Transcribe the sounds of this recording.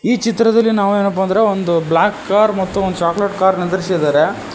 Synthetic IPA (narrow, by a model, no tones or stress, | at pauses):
iːt͡ʃit̪ɾɐd̪ɐlːinaːʋueːnɐp̬ːɐɐnd̪ɾe̞ond̪ublaːkːaːɾmɐt̪ːuond̪ut͡ʃaːkleʈkaːɾnid̪ɐɾisid̪aːɾe